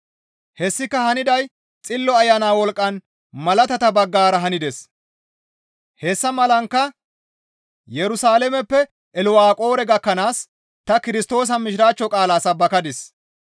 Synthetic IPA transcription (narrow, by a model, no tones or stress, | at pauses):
hɛsːɪkːɐhɐnɪd̪ɐj | t͡sʼɪlːɔɐjːɐnaːwɔlkʼːɐn | mɐlɐt̪ɐt̪ɐbɐɡːaːɾɐɦɐnɪd̪ɛs | hɛsːɐmɐlɐŋkːɐ | jɛɾʊsaːlɛmɛpːɛ | ʔɛlʊwaːkʼo̞ːɾɛɡɐkːɐnaːs | t̪ɐkɪɾɪst̪o̞ːs̬ɐmɪʃɪɾaːt͡ʃːɔkʼaːlaːsɐbːɐkɐd̪ɪs